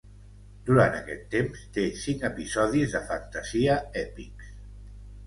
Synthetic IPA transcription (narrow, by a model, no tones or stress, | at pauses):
d̪uɾant̪ə̰kɛt̪ːemst̪esiŋkəpizɔðizðəfənt̪əziəɛpiks